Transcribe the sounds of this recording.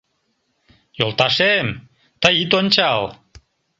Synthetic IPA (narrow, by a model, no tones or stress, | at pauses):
jolˠt̪ɑʃem | t̪əjit̪onʲt͡ɕɑl